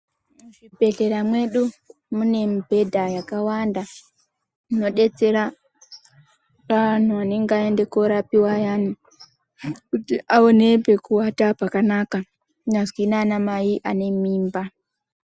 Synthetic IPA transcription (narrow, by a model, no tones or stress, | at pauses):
uʐibʱe̞ɮe̞ɾamwe̞ɗu | mune̞mbʱe̞dʱajakawanda | muno̞ɗe̞t͡se̞ɾa | ʋan̤uane̞ŋɡeae̞nde̞ko̞ɾapiwajani | kutiʔaone̞pe̞kuwatapakanaka | nazwinanamaiʔane̞miːmba